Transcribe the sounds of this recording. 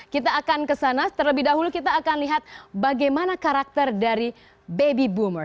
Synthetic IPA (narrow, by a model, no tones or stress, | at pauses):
kit̪aːkankəsanat̪ərləbɪhdaɦulukit̪aːkanliɦat̪̚baɡajmanakaɾak̚t̪ərdaɾi | bebibumər